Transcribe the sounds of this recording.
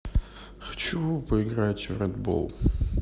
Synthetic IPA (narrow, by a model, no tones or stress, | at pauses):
xɐ̥t͡ɕupəɪɡɾatʲvɾʲɛd̪bo̰lˠ